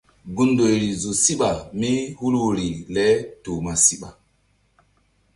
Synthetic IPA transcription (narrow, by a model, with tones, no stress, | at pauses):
ɡu˦ndo˨jɾi˨zo˨si˦ɓa˨mi˦hu˦lwu˨ɾi˨lɛ˦toː˨ma˨si˦ɓa˨